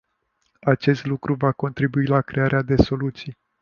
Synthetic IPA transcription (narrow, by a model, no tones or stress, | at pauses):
at͡ʃe̞st̪lukɾuvako̞nt̪ɾibuilakɾe̞aɾʔead̪e̞so̞lut̪sij